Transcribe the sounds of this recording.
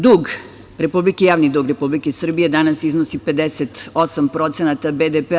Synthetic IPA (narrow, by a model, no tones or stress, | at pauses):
d̪uɡ | ɾe̞publikejaːʋnid̪uːɡɾepublikesr̩bije̞d̪anasiznosipe̞d̪eset̪osampɾo̞t̪senat̪abed̪epe